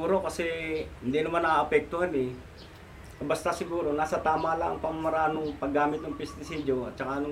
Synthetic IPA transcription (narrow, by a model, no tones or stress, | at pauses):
uːɾo̞kɐsɛhɪnd̪iːnɐmanaaʔɐpɛk̚t̪ʊhanɛ | kɐbɐst̪asɪɡuːɾo̞naːsɐt̪aːmalaɐ̰ŋpɐmmɐɾaːnoŋpɐɡːaːmɪt̪nɐŋpɛst̪ɪsiːdoɐ̰t̪̚t͡ʃɐkanʊ